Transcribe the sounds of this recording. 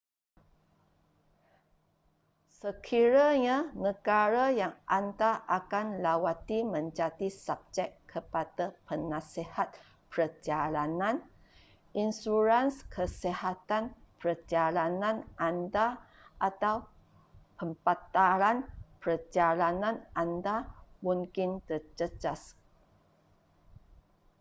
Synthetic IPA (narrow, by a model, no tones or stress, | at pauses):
səkʰiɾaɲãnəɡaɾajaŋʔant̪aʔakanlawat̪imə̃ɲd͡ʒad̪isab̚d͡ʒɛkʰːəpadapənãsehat̪̚ | pəəd͡ʒalanãn | insuɾanskʰəsehat̪anpərd͡ʒalanãnʔanda | ʔat̪aw | pəmpat̪aɾanpərd͡ʒalanãnandamũŋkɪnt̪ərd͡ʒəd͡ʒas